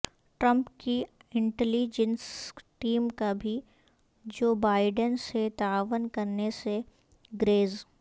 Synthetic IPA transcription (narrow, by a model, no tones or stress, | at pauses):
ʈɾə̃mpkiɪ̃ɳʈɛliːd͡ʒənsʈiːmkabʱi | d͡ʒoːbaːɪɖənset̪aːʋənkɐɾnese | ɡɾeːz